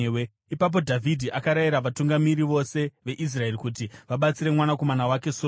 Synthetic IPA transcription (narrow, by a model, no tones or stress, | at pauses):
e | ipap̬o̞dʱavʱidʱiʔakaɾajiɾaʋatuŋɡamiɾiʋo̞se̞ʋe̞ʔis̬rae̞rikut̬iʋaɓat͡siɾe̞mwanako̞manawake̞so